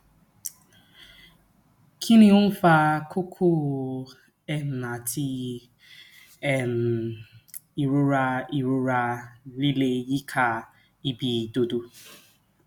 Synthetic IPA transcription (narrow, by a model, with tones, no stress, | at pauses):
kʰi˦ni˦ʊ˦n̩˦fa˦kʰʊ˦kʰʊ˦ | ɛ˦n̩˨na˨ti˦ | ɛ˦˨n̩˨ | i˨ɾʊ˦ɾa˦i˨ɾʊ˦ɾa˦li˦le˦ji˦kʰa˨ | i˦bi˨do˦du˦